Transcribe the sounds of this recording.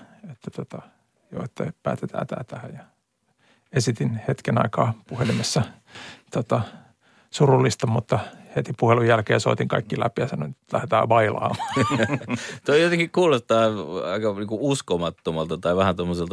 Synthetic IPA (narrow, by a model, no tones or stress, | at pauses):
et̪ːæt̪ot̪ɑ | jo̰ːet̪ːæ̰pæ̰ːt̪et̪ʰæ̰ːt̪æ̰ːt̪æhæjjɑ | esit̪inhet̪kenɑ̰ikɑːpuhelimesːɑ | t̪ot̪ɑ | surulːist̪ɑmut̪ːɑhet̪ipuhelujjælkeːso̰ːt̪iŋkɑ̰ikːilæ̰pijɑsɑnont̪læ̰het̪æ̰ːʋɑilɑ̰ːmː | t̪oijot̪eŋkikkuːlost̪ɑːɑikɑniːŋkuuskomɑt̪ːomɑlt̪ɑt̪ɑiʋæhænt̪omːoselt̪